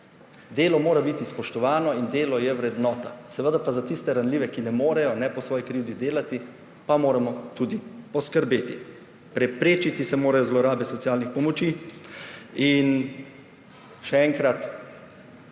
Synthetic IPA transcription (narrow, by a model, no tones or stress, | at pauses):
d̪eːlɔmoːɾabit̪ispɔʃt̪ɔʋaːnɔind̪eːlɔjɛʋɾɛd̪nɔːt̪asɛʋəd̪aɾpazat̪ist̪ɛɾanliːʋɛkinɛmoːɾɛjɔnɛpɔsʋɔːjikɾiwd̪id̪eːlat̪i | pamoːɾamɔt̪uːd̪ipɔskəɾbeːt̪ḭ | pɾɛpɾeːt͡ʃit̪isɛmoːɾajɔzlɔɾaːbɛsɔt̪sjaːlnixpɔmɔt͡ʃi | in | ʃɛɛŋkɾat̪